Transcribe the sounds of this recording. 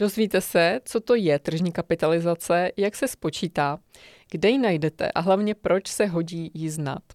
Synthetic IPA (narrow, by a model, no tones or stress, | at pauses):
d̥o̞zviːt̪ɛsɛt͡so̞t̪o̞jɛt̪r̩ʒɲiːkapɪt̪alɪzat͡sɛjaksɛspo̞t͡ʃiːt̪aː | ɡ̥dɛjɪnajdɛt̪ɛ̰ʔa̰ɦlavɲɛpɾo̞t͡ʃsɛɦo̞ɟiːjɪzna̰t̪